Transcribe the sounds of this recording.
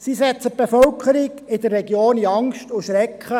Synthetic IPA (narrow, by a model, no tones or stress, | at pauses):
sisɛt͡sət̚b̥efœlkʰəɾɪɡɪd̪ərːɛɡjoːniɑŋstʊʃɾɛkχə